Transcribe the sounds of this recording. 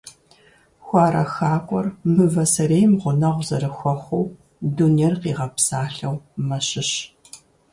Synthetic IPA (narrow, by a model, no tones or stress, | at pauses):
xʷɑːɾɐxaːkʷʼɔrmɨvɐsɐɾeːjmʁʷʊnɐʁʷzɐrɨxʷɔχʷʊw | dunerqiːʁɐpsaːɬɐwmɐɕɪɕ